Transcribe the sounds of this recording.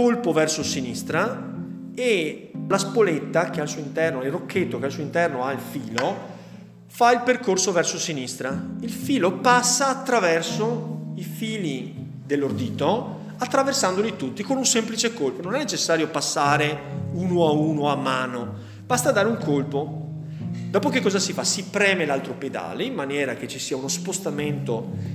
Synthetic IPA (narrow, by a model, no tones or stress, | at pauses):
kolpovɛrsosinist̪ɾa | elaspolet̪ːakealsuːoint̪ɛrnoailrokʰːet̪ːokealsuoint̪ɛrnoailfiːlo | failperkorsovɛrsosinist̪ɾailfiːlopasːaːt̪ːɾavɛrsoifiːli | d̪elːord̪iːt̪o | at̪ːɾaversand̪olit̪ut̪ːikonunsɛmplit͡ʃekolpononɛnːet͡ʃesːaːɾjopasːaːɾeuːnoauːnoamːaːno | b̥ast̪ad̪aːɾeuŋkʰolpo | d̪ɔːpokekːɔːzasifasipɾɛːmelalt̪ɾoped̪a̰ːleimːanjɛːɾak̟et͡ʃːisiːaunospost̪ament̪o